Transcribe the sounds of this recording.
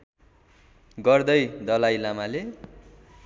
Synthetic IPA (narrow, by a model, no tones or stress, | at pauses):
ɡʌrd̪ʌjd̪ʌlajlamale